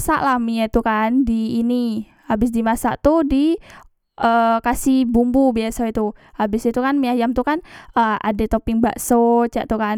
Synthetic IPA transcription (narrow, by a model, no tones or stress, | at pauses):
sa̰ʔlahmiat̪ukandiːni | abɪs̬dimasaʔt̪udi | ʔəkasibumbubiasait̪uhabɪsit̪ukanmiajamt̪ukanəa̰dɛt̪opɪŋba̰ʔsot͡ʃa̰ʔt̪ukan